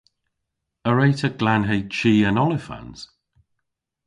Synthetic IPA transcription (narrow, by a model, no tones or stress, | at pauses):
əɹeɪtəɡ̥lanɦeɪt͡ʃʰiːə̃nɔlɪfã̰nz̥